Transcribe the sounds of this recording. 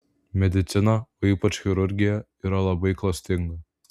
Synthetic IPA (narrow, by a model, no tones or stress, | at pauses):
mʲɛd̪ʲɪt̪sʲɪnɐoiːpɐt͡ʃxʲɪɾʊɾʲɡʲɪjɛ | iɾɐlˠɐbɐɪklˠɐsʲt̪ʲɪŋɡɐ